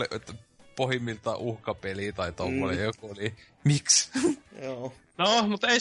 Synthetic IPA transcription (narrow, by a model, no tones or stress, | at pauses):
lit̪ːpohimːilt̪ɑʔuhkɑpeliˑt̪ɑit̪omːonḛjjokuoli | miksoː | nomut̪ei